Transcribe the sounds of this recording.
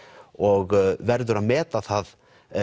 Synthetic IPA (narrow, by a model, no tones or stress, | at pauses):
ɔɣvɛɾðʏɾaðmɛːt̪aθað